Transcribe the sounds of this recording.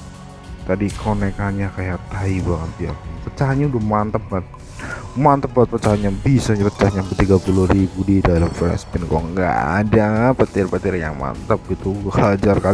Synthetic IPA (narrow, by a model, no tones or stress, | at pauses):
t̪adikʰonɛkaɲakajat̪aibaŋət̪ija̰pət͡ʃaɦaɲaudahmant̪əp̚bat̪̚ | mant̪əp̚bat̪̚pət͡ʃaɦaɲabisaɲaɾət͡ʃahɲaŋpət̪iɡapulʊhɾibudidalamflɛ̰spɪnkɔ̰ŋɡa̰a̰dapət̪ɪrpət̪ɪɾja̰ŋma̰nt̪əp̚ɡit̪uhad͡ʒarka